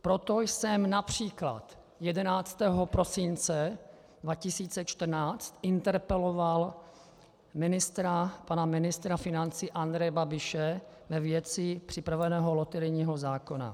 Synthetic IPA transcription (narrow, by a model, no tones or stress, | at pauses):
pɾot̪ojsɛmnapr̝̥iːkla̰t̪ | jɛdɛnaːt͡st̪ɛːɦopɾo̞sɪnt͡sɛ | dvacɪsiːt͡sɛt͡ʃt̪r̩naːt͡st̪ʔɪnt̪ɛɾpɛloval | mɪnɪst̪ɾapanamɪnɪst̪ɾafɪnant͡siːʔand̪ɾɛjɛbabɪʃɛ | vɛvjɛt͡sɪpr̝̥ɪpɾavɛnɛːɦolot̪ɛɾɪɲiːɦozaːko̞na̰